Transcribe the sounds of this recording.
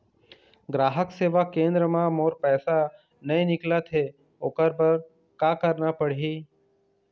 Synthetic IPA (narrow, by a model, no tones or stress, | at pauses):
ɡɾaːɦəkseːʋakẽːnd̪ɾəmãmoːɾpɛːsa | nəĩnɪklat̪ʰe | oːkəɾbəɾ | kaːkəɾnapəɽɦiː